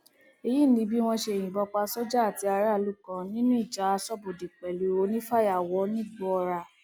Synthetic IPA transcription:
e˧ji˦˨nĩ˧˦bi˦w̃ɔ̃˧ʃe˧˨j̃ĩ˨bɔ˧k͡pa˧sɔ˦d͡ʒa˦˨ti˨˧a˧ɾa˦˨lu˦kã˧nĩ˦nũ˦i˦˨d͡ʒa˨˦a˧sɔ˦bo˨di˨k͡pɛ˨lu˨˦wo˧˦nĩ˦fa˦˨ja˨wɔ˨˦nĩ˦ɡ͡bɔ˦˧ɾa˧˨

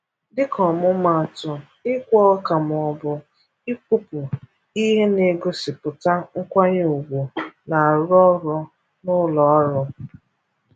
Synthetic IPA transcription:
dɪ˦kɔ˨mʊ˦ma˨tʊ˨ | ɪ˦kʷɔ˦ka˨m˨ɔ˨bʊ˨ | ɪ˦ku˦pʊ˨ | i˦ɦe˦ne˨ɡo˦sɪ˨pʊ˨ta˦ŋ̩˦kʷa˦ɲe˦u˨ɡʷo˨na˨a˨ɾɔ˦ɾɔ˦ | nʊ˦lɔ˨ɔ˦ɾɔ˦

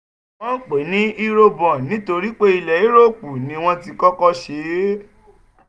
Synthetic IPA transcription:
ɔ̃˦k͡pe˨˦nĩ˨˦i˦ɾo˧bɔ̃˨nĩ˨˦to˧ɾi˦k͡pe˦i˧lɛ˨i˨˦ɾo˦˨k͡pu˨nĩ˦w̃ɔ̃˦ti˧kɔ˦kɔ˦ʃe˨˦

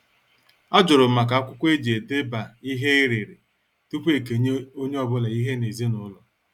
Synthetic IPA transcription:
a˦d͡ʒʊ˨ɾʊ˨ma˨k̬a˨a˦kʷʊ˦kʷe˦d͡ʒe˨de˦ba˨i˦ɦe˦i˦ɾɪ˨ɾɪ˨ | ti˦kʷe˦˨ke˨o˦ɲe˦ɔ˨bʊ˦la˨i˦ɦe˦ne˨zi˦nʊ˦ʊ˦lɔ˨

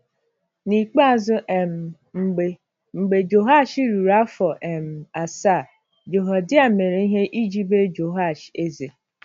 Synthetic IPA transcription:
ni˨k͡pa˦˨zʊ˦ʔe˨m̩˨ | ŋ͡m̩˨ɡ͡be˨ | ŋ͡m̩˨ɡ͡be˨d͡ʒo˨ɦa˦˨ʃi˦ɾu˨ɾa˦fɔ˨ʔe˨m̩˨a˨sa˦˨ | d͡ʒo˨ɦɔ˨dɪ˦a˨me˨ɾe˨i˦ɦe˦ʔi˦d͡ʒi˦be˦d͡ʒo˨ɦa˦˨ʃe˦ze˨

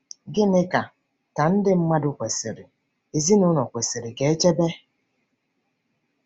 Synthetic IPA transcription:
ɡɪ˦nɪ˦ka˨ | ta˨n̩˦dɪ˦m̩˦ma˦dʊ˦kʷe˨se˨ɾɪ˨ | e˨zi˦nʊ˦nɔ˨kʷe˨se˨ɾɪ˨ɡe˨e˦t͡ʃe˦be˦

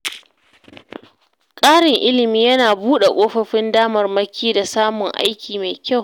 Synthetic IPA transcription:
kʼaː˦ɽɪ˨ŋʔɪ˦lɪ˨miː˦jɐ˦naː˨buː˦ɗe˨kʷʼoː˦ɸɐ˦ɸɪ˦ndaː˦mɐ˨rmɐ˦kʲʰiː˦da˨saː˦mʊ˨ŋʔa̰˦jkʲiː˨ma˨jkʲa˦˨w

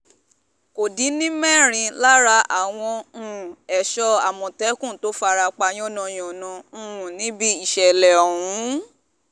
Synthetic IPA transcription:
ko˨di˨˦nĩ˦mɛ̃˦˨ɾ̃ĩ˧la˦ɾa˧ʔa˨w̃ɔ̃˧˦˨ɛ˨ʃɔ˧a˨mɔ̃˨tɛ˨˦kũ˦˨to˨˦fa˧ɾa˧k͡pa˧j̃ɔ̃˦nɔ̃˨˧j̃ɔ̃˨nɔ̃˨nĩ˨˦bi˦i˦˨ʃɛ˨lɛ˨ɔ˨ɾũ˨˦

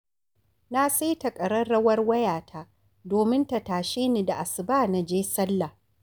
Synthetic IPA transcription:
na˦sa˦jtɐ˨kʼɐ˨ɾɐ˦ɽɐ˦wɐ˦rwɐ˦jaː˨tʰa˦ | doː˨mɪ˦nta˨taː˨ʃeː˦ni˦˨da˨ʔa˨sɪ˨baː˦na˨d͡ʒeː˦sɐ˦lːa˨

